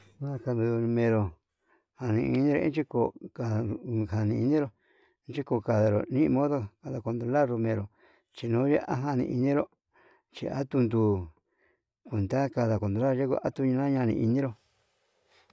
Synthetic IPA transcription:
nã˦ka˧nd̪u˧ðu˧ɾu˧mẽ˧ɾo˧ | ha˧nĩ˧i˧nĩ˦ɾo̰˧ḭ̃˦t͡ʃi˦ko˧ka˧ɦa˨nĩ˧i˧nĩ˦ɾõ˧˦ | t͡ʃi˦ko˧˨ka˧ða˧ɾo̰˨nĩ˦˧mõ˦ðo˦˧ka˧ða˧˨ko˧nd̪ɾo˧la˦ɾo˧mẽ˧ɾo˨ | t͡ʃi˧nũː˨˦ja˦ʔa̰˦ɦa˧nḭ̃˧ʔi˧nĩ˦ɾo˦ | t͡ʃḭ˧a̰˦t̪u˧nd̪u˧ | kʷe˨nd̪a˦ka˧ða˨ko˧nd̪o˧la˦˧e˦ko̰˧ʔa˦t̪u˧ɲ̃˧nã˦ɲã˧nḭ̃˧ʔi˧nĩ˦ɾo˧

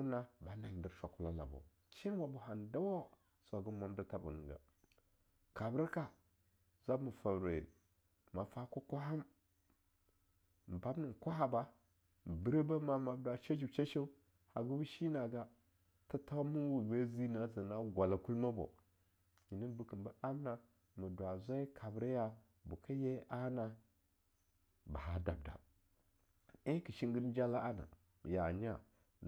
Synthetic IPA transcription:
na˦ba˦na˨i˨ndi˦ɾʃa˨ku˨la˨˦la̰˨bo̰˨ | t͡ʃi˦nwa˨bu˨ɦa˨nda˦wa˦ | su˦a˨ɡu˦ma˦m˦da˦ta˦bṵ˨nḭ˨ɡa̰˨ | ka˨bə˦ɾka˦ | za˦bmu˨fa˨bɾḛ˨ | ma˨fa˦ko˦kʷa˦ɦa˦m | m˨ba˦bni˨kʷa˦ɦa˨ba˦˨ | bi˦ɾe˦ba˦ma˨ma˨˦da˨ʃa˦d͡ʒi˨t͡ʃa˦ʃe˦ | ha˨ɡu˦bu˦ʃi˦na˨ɡa˦ | ta˦ta˦mu˦wu˨ze˦zi˦na˨za˨na˦ɡʷa˨la˨ku˦lma˦bo̰˨ | ji˨ni˦n˦bu˨kə˨mba˦a˦mna˨ | mu˨dwa˨za˦i˦kʰa˨bɾa˦ja˨ | bu˨ka˦je˦ʔa˦na˨ | ba˨ɦa˨da̰˨b̚da̰˨ | i˦ki˨ʃi˦ŋɡi˦ɾd͡ʒa˦la˦a˦na̰˨ | ja˨ɲ˦a̰˦˨

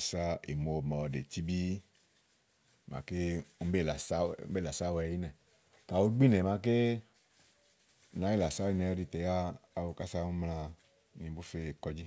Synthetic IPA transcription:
sa˦ḭ˨mo˨mɔ˨˧˨dḛ˨ti˦bi˦˨ | mã̰˨ke˦ŋ̩˦be˦˨la˨sa˦be˦˨la˨sa˦wɛ˧˨ji˦nɛ˨ | ka˨wo˦˧ɡ͡bi˦nɛ̃˨mã˧ke˦ | nã˨˦i˦˨la˨sa˦i˨nɛ̃˨˦ɔ˧di˨˧˨t̪ɛ˨jaː˦˨wo˨˧ka˦sa˧˦ŋũ˦mlã˧ | nĩ˧˦bu˦fe˧˨kɔ˧d͡ʒi˦

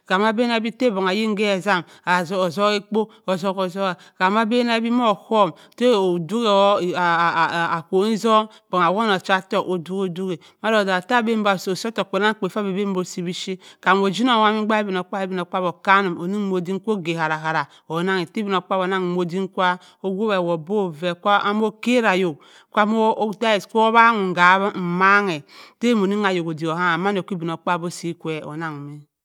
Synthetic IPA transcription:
ka˨ma˦be˦na˦bi˦te˦bo˨ŋa˨ji˦ŋ˦ɡe˦a˨za˦m | a˨˦˨zo˦ke˦k͡po˦ | o˨zo˦ko˨zo˦a˨ | ka˨ma˦be˦na˦bi˦mo˦˨ho˦˨m | te˦o˨du˦ɣe˨˦˨ko˨i˦zo˦m | b̥o˨ŋa˨wo˦no˨t͡ʃa˦to˦˨o˨du˦ko˨du˦ɡe˨ | ma˦ɾo˨da˨ta˦˨be˦m˦a˨so˨so˦to˨k͡pe˨na˦ŋ˦k͡po˨fa˦be˨be˦m˦bo˨si˨bi˦ʃi˦ka˨m˨o˨d͡ʒi˦no˦˨wa˦mi˦ɡ͡ba˦e˦bi˨n˨o˨k͡pa˦e˦bi˨n˨o˨k͡pa˦bo˨ka˦nu˨mo˨ni˦ŋ˦mo˨di˦ŋ˦kʷo˦ɡe˨ha˨ɾa˨ɦa˨ɾa˨ | o˨˦na˦ŋe˨te˦bi˦n˨o˨k͡pa˦βo˨˦na˦ŋ˨mo˨di˦ŋ˦kʷa˦ | o˦ɡʷo˦be˨wo˨bo˦ve˨kʷa˦m˦o˦ke˦ɾa˨jo˨k | kʷa˦mo˦ta˦e˨skʷo˦βa˦ŋu˨ŋ˨ɡa˨˦βm̩˨ma˦ŋe˨te˦mo˨ni˦ŋa˨jo˨ko˨di˨o˨ha˦a˨ma˦n˦o˨ki˦bi˨n˨o˨k͡pa˦˨bo˦si˦kʷe˨o̰˨na˨ŋu˨mi˦

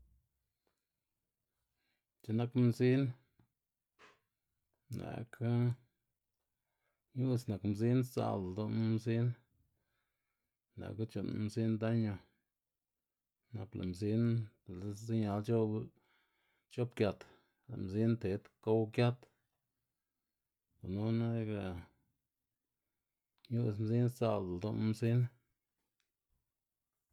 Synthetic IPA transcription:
t͡ʃe˧na˦kmzi˦n | na̰˨kʰa˦ | ju˦sna˨kmzi˦nsa̰˧˨ld̪o˧n˦mzi˦n | na̰˨ka˦t͡ʃu˧˨n˦mzi˦nd̪a˦ɲo˧ | na˧pla̰˨mzi˦n˨˦ | zi˦ɲa˨˦lt͡ʃo˦ | t͡ʃo˦b̚kja˧t̪ | la̰˨mzi˦nt̪e˨˦t̪ko˦wkja˦t̪ | ka˨nu˦na˦ɡa˧ | ɲu˦smzi˦nt͡sa̰˨ld̪o˦mzi˦n

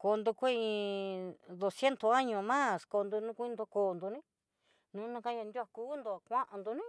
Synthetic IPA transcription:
ko˧nd̪u˧kʷe˦˧ĩ˧ | d̪o˧sje˦nt̪o˧a˦ɲõ˧mã˦sko˧nd̪u˧nũ˦˧kʷu˦ĩ˧d̪o˧koː˧˨nd̪u˧nĩ˦ | nũ˨˦nũ˧ka˧˦ɲa˧nd̪ʲu˦a˧kuː˦nd̪o˧a˨kʷã˦ʔa˧nd̪u˧nĩ˦

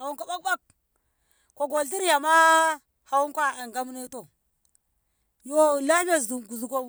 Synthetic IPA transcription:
a˨wu˦ŋkʷa˦ba˦k̚ba˦k̚ | ko˨ɡo˨lt̬i˦ɾja˨ma˦ | ha˨wu˦kʷa˦a˨ŋɡa˦m˦ne˦to˨ | jo˦la˦m˦a˦zu˨ɡu˨zu˨ko˦

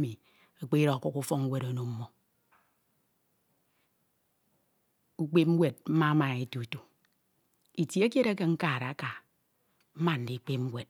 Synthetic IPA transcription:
mi˨ | a˨k͡pe˦ɾo˨ku˦ku˦fɔ˦ŋu˦we˦ɾo˨no˨m̩˦mːo˨ | u˦k͡pe˦p̚m̩˦wʷe˨d̚m̩˦ma˦ma˨e˨tu˨tu˨ | i˨tji˦e˦k̬je˦ɾa˦ke˦ŋ̩˦kaː˨ɾa˨a˦ka˨ | m̩˦ma˦n̩˨di˨˦k͡pe˦p̚m̩˦we˨t̚

